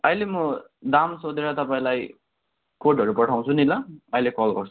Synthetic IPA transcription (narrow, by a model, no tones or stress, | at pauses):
ʌjlemʌd̪amsod̪eɾʌt̪ʌpaĩlaj | koʈʌɾupʌʈʰaw̃t͡sʰunilaʌjlekɔlɡʌ̰ɾsʰ